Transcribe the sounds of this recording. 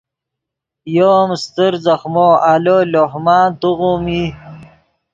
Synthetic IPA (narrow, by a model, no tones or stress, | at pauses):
jomst̪əɾzɐxmoalolohmɑːnt̪uɣumi